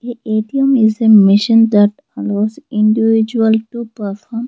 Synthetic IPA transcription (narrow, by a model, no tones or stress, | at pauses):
eʔeːʈiəmɪzemɪʃə̃nd̪ɐʈ | aloːzɪ̃ɳɖiʋɪd͡ʒuəlʈupəɾfɔːɾm